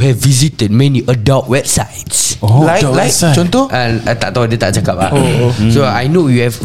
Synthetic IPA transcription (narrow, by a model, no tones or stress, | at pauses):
hɛvːizitəd̚mɛ̃niʔədat̚wɛb̥̚sajtsolajlajk̚t͡ʃɔ̃nt̪oãat̪aʔt̪adet̪a̰ʔt͡ʃakap̚a̰osoajnojuhɛv